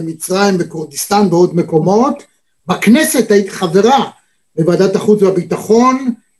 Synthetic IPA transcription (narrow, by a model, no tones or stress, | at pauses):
emit͡sʁajimbekuʁd̪ist̪anbeo̞d̪me̞ko̞mo̞t̪ | baknese̞thait̪i̥χave̞ʁa | bevad̪at̪aχut͡sbabit̪aχo̞n